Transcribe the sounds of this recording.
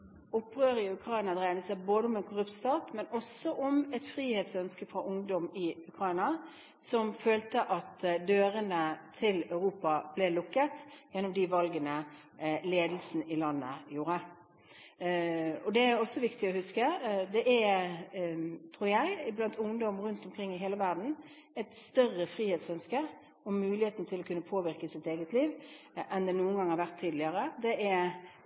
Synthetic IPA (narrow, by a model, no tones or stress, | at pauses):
ʊpːʁøːɾəɪʉkʰɾɑɪnɑd̪ɾæɪd̪əsæɪboːd̪əɔmɛnkʰʊʁʉpt̪st̪ɑːt̪mɛnɔsɔʔɔmɛt̪fɾiːheːt̪sœnskəfʁɑʔʊŋd̪ɔmɪʉkʰɾɑɪnɑ | sɔmføːlt̪əʔɑt̪d̪øːɾənət̪ʰɪlɑʉɾuːpɑb̥lɛlʊkːət̪jɛnːɔmd̪iʋɑlɡənə | leːd̪l̩snəɪlɑnːəjuːɾə | ɔd̪ɛæɾɔsːɔʋɪkt̪ɪɔhʉskəd̪ɛʔæ | t̪ʰʁuːɾjæɪɪblɑnt̪ʊŋd̪ɔmɾʉnt̪ɔmkʰɾɪŋːɪɦeːləʋæʁd̪n̩ | ɛt̪st̪œrəfʁiːheːt̪sœnskə | ɔmʉːlɪheːt̪nt̪ʰɪlɔkʉnːəpʰoːʋɪɾkəsɪt̪eːɡət̪ʰliːʋʔɛnd̪ɛnuːənɡɑŋhɑɾʁʋæʁt̪ʰːiːd̪lɪəɾəd̪ɛʔæ